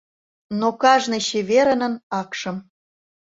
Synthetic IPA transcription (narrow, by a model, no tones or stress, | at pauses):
nokɑʒneɕeβeɾə̆nə̆nɑkʃə̆m